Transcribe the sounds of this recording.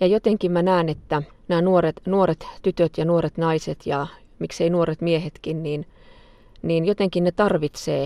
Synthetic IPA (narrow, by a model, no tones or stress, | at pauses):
jɑjot̪eŋkimmænæːnet̪ːæ | næːnuoret̪nuoret̪t̪yt̪øt̪jɑnuoɾet̪nɑiset̪jɑ | mikseinuoɾet̪miehet̪kinniːn | niːnjot̪eŋkinnet̪ɑrʋit̪seː